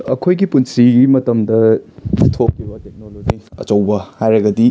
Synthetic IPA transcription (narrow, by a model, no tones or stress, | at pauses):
ɐkʰojɡipunsiɡimɐtɐmdɐtʰokʰːibɐtek̚nolod͡ʒiɐ̰t͡ʃɐwbɐhajɾɐɡɐdi